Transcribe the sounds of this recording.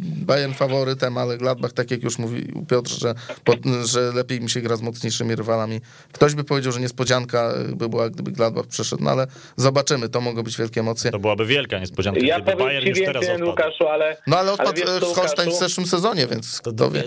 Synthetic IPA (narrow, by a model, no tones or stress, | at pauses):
bajɛɾnfavɔɾɘt̪ɛmalɛɡlad̪̚baxt̪akʲjakjuʂmuvʲḭpʲjɔt̪rʐɛpɔʐɛlɛpʲjejmʲiɕɛɡɾazmɔt̪sɲejʂɘmʲiɾɘvalamʲi | kt̪ɔʑbɘpɔvʲjed͡ʑawʐɛɲɛspɔd͡ʑaŋkaɛ̰bɘbɘwaɡ̚d̪ɘbɘɡlad̪̚ba̰xpʂɛʂɛt̪nɔ̰a̰lɛ | zɔbat͡ʂɘmɘt̪ɔmɔɡɔ̃bɘd͡ʑvʲjɛlkʲɛɛmɔt̪sʲjɛt̪ɔbɨwabɘvʲjɛlkaɲɛspɔd͡ʑanŋjapɔvjajivʲjɛɛnwukaʃualɛnɔalɛɔtakɔst̪aɲvzɛʂwɘmsɛzɔɲɛvʲjɛ̰nt̪st̪ɔ̰vʲjɛ̰